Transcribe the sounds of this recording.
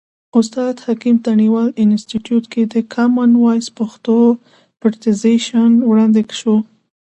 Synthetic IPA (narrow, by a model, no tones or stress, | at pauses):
ʊst̪ɑd̪hakimt̪aniwɑlɪnstiʈjut̪ked̪əkʰamanwɑjspaxt̪o | pəɾt̪ɪzeʃanwɽɑnd̪ekʃo